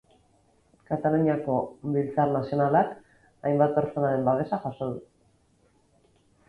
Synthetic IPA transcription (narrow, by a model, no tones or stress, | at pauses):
kat̪aloniako̞βilt͡saɾnasio̞nalak | ajmbat̪̚pe̞ɾt͡so̞naɾe̞mbaðe̞saʝaso̞ðu